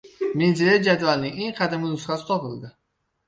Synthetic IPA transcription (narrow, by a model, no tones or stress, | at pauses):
menzeled͡ʒad̪valnɪŋeŋqʰɑd̪ɪmɪnʊsχasɪ̥t̪ʰɒpɪlˠd̪ɪ